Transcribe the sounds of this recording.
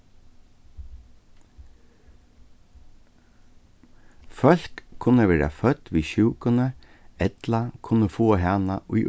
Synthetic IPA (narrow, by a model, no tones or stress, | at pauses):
fœlkkʰʊnəʋeːɾɑ̰fœt̪ʋiːçʉːkənə | ɛt̪lɑkʰʊnəfoːhæːnɑʔʉːʔ